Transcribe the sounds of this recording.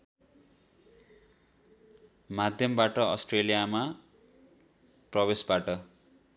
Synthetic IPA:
mad̪ʱjʌmbaʈʌʌ̰sʈrelijama | prʌbesbaʈʌ

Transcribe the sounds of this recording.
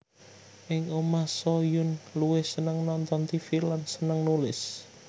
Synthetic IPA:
ʔɪŋomasojʊnluwɪhsənəŋnɔnt̪ɔnt̪ifilansənəŋnulɪs

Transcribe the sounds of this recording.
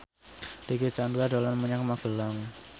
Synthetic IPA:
d̥eket͡ʃanduadolanməɲakmaɡ̥əlaŋ

